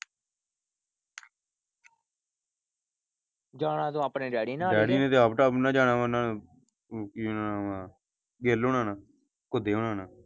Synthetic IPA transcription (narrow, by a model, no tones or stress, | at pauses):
d͡ʒaːɳãːt̪õːaːpneːɖɛːɽiːnaːɾɛːɽiːnẽːt̪eːaːpʈaːpnãːd͡ʒaːɽãːʋaːnãː | kinaːaːaː | ɡeloːnãːnaː | kʊd̪eːɦoɳãːnaː